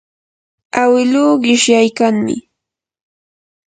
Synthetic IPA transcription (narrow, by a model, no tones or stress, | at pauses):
awɪluːɢɪʃjajkaŋmɪ̰